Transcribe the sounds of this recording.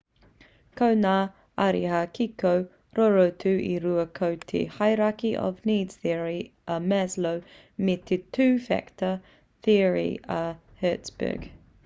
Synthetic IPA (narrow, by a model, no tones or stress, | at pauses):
kʰownaː | aɾihakʰikow | ɾoɹot̪ʰʉʔiɾuəkʰowt̪ʰḛhajɾakiʔɔ̰vniːdz̥θiəɹiəmɛzlow | met̪ʰetʰʉːfɛ̰ktʰə | θiɹḭə | hɛːtsb̥ə̰ːɡ̥